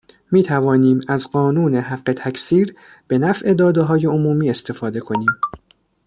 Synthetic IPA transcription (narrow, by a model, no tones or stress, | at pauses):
miːt̪ʰævɒːniːmæzɢɒːnuːne̞ɦæʁːe̞t̪ʰæcʰsiːɾ | b̥e̞næfʔe̞d̪ɒːd̪eɦɒːje̞omuːmiːe̞st̪ʰe̞fɒːd̪e̞kʰo̞niːm